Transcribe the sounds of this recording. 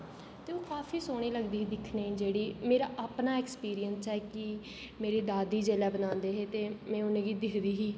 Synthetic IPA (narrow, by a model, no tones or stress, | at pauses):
t̪eːõːkaːfʰiːsoːɽ̃iːləɡd̪iːɦd̪ɪkʰnẽːd͡ʒeːɽiːmeːɾaːʔapnaːeːkspiːɾijənst͡ʃɛːkɪ | meːɾiːd̪aːd̪iːd͡ʒeːlɛːbənãːnd̪eːɦeːt̪eːmɛ̃ːʊnẽːɡiːd̪ɪkʰd̪iːɦiː